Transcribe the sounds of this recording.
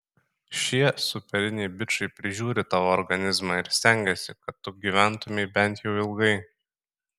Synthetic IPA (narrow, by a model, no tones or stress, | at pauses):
ʃʲiɛsʊpʲɛɾʲɪnʲɛɪbʲɪt͡ʃɐɪpʲɾʲɪʒʲuːɾʲɪt̪ɑːʋoːɾɡɐnʲɪzmɑɪɾsʲt̪ʲæˑŋʲɡʲɛsʲɪkɐt̪ːʊɡʲiʋʲænt̪ʊmʲɛɪbʲɛnʲˑt̪jɛʊɪlˠɡɐɪ